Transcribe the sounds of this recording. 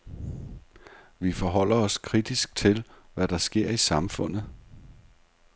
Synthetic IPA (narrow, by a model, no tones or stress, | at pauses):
ʋifɒ̽ɦɒ̽l̰ɐɒ̽skʰʁid̥isɡ̥̚t͡sʰe̝lʋæd̥ɑ̈sɡ̥e̝ɐ̰isɑ̈mfɔ̽n̰ð̩ˠ